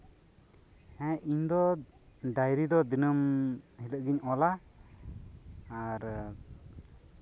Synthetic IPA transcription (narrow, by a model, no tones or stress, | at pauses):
hɛ̃iɲd̪ɔ | ɖajɾid̪ɔd̪inəmhiləʔɡiɲɔla | aɾ